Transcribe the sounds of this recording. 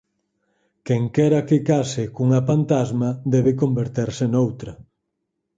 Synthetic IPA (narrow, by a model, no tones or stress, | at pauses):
kɛŋkɛɾɐkekasɪkuŋapant̪azmɐd̪ɛβekombeɾt̪eɾsenowt̪ɾɐ